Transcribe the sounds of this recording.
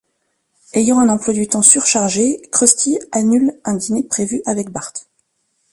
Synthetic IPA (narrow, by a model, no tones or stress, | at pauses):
ejɑ̃ɛ̃nɑ̃plwad̪yt̪ɑ̃syʁʃaʁʒekχɔst̪ʲianylɛ̃d̪inepχevyʔavɛk̚baʁt̪